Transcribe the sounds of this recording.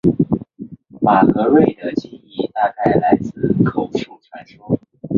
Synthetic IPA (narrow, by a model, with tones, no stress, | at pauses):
ma˨˩xɤ˧˥we˥˩ɪd̪ə˩t͡ɕi˥˩ni˧˥t̪a˥˧ka˥˩ɪla˧˥ɪt͡sɹ̩˥˩kʰo˨˩ʊʂu˥˩ʈ͡ʂʰwa˧˥nʂɔ˥